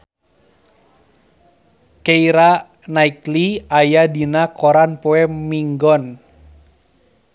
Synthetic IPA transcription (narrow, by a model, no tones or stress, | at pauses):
keiɾa | naikliajadinakɔɾanpoɛmiŋɡɔn